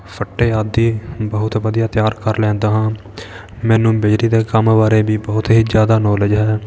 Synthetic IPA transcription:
pʰəʈːeːaːd̪iːbəɦʊt̪ʋəd̪ijaːt̪jaːɾkəɾlɛ̃ːnd̪aːɦãː | mɛ̃ːnũːbɪd͡ʒɾiːd̪eːkəmbaːɾeːbiːbəɦʊt̪ɦiːd͡ʒjaːd̪aːnɔːləd͡ʒɦɛː

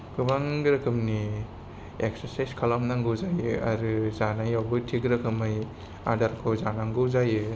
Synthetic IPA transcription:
kʰɯbaŋɡɾakʰɯmni | ek̚saɾsajskʰalamnaŋɡɯwzajɯaɾɯzanajawbɯtʰiɡɾɐkʰɯmɯj | adaɾkʰozanaŋɡɯzajɯ

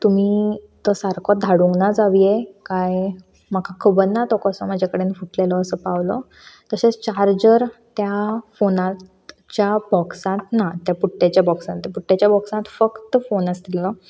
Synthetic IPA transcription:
t̪um̤iː | t̪ɔsaɾkʰɔd̪ʱaɽuŋɡnad͡zaʋijekaj | makʰakʰəbənːat̪ɔkɔsɔm̤ad͡ʑʱakəɽenifuʈlelɔəsəpaʋlɔ̰ | t̪əset͡st͡ɕaɾd͡ʑəɾt̪jafonãt̪ | t͡ɕjabɔksãt̪nat̪japuʈːjat͡ɕjabɔksãt̪ːjapuʈːjat͡ɕjabɔksãt̪fəkt̪əfonəst̪ilɔ

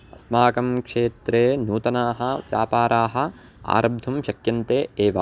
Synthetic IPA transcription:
ɐsmaːkɐmkʂeːt̪ɾeːnuːt̪ɐnaːɦɐ̆ʋja̰ːpaːɾaːɦɐ̆ | a̰ːɾɐbd̪ʱumʃɐkjɐnt̪eːeːʋɐ

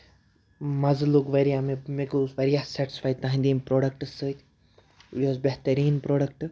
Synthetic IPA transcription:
mɐzlukʋɐɾijamemekuʋɐɾijaːsɛʈi̥sfaːjt̪aɦĩnd̪iːmpɾoːɖɐk̚ʈɨsəːt̪ʲ | ioːzbeɦt̪ɐɾiːnpɾoːɖɐk̚ʈ

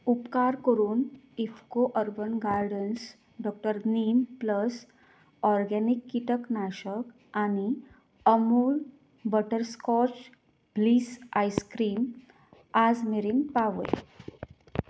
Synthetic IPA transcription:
upkaɾkəɾuːn | ifkoʔəɾbənɡaɾɖəns | ɖɔk̚ʈəɾnimpləs | ɔɾɡɛnikːiʈəknaɕək | añi | əmuːl | bəʈəɾskɔt͡s | bliːsajskɾiːm | ad͡zmeɾinpaʋə̰j

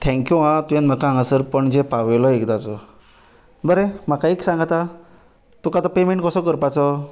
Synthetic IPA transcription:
t̪ʰɛ̃ŋkjuɦãt̪ujãnm̤əkaãŋɡasəɾpəɳd͡ʑepaʋelɔekd̪at͡sɔ | bəɾem̤akaeksãŋɡat̪a | t̪ukat̪ɔpemeɳʈkəsɔkəɾpat͡sɔ

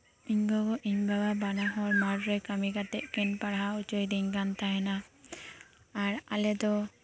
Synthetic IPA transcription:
iɲɡɔɡɔʔiɲbababanaɦɔɾmaɾɾɛkamiɡat̪ɛʔkɛnpaɽaɦaut͡ʃɔjd̪iŋɡant̪aɦɛna | ɾalɛd̪ɔ

